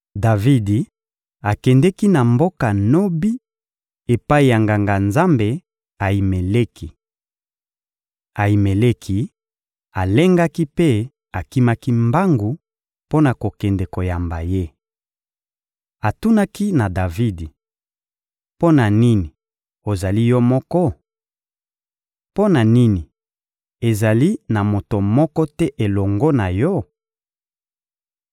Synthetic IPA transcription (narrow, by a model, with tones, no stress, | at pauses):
da˨vi˦di˨ | a˨kɛ˨ndɛ˦ki˦na˨mbo˦ka˨no˦bi˦ | e˨pa˦i˨ja˨ŋɡa˨ŋɡa˨nza˦mbe˨ | a˨i˨me˨le˦kʰi˨ | a˨i˨me˨le˦kʰi˦ | a˨le˦ŋɡa˦ki˦pe˦ | a˨ki˦ma˦ki˦mba˦ŋɡu˨ | po˦na˨ko˨kɛ˨ndɛ˨ko˨ja˨mba̰˨je˦ | a˨tu˦na˦ki˦na˨da˨vi˦di˨ | po˦na˨ni˦ni˨ | o˨za˨li˦jɔ˦mɔ˦kɔ˦ | po˦na˨ni˦ni˨ | e˨za˨li˦na˨mo˨to˨mɔ˦kɔ˦tɛ˦ʔe˨lɔ˨ŋɡo˦na˨jɔ˦